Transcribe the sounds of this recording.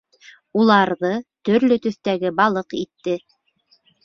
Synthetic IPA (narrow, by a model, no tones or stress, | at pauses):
ulˠɑɾðɤt̪ɵ̆ɾlɵt̪ɵ̆θt̪æɡɘbɑlˠɤqit̪ːɘ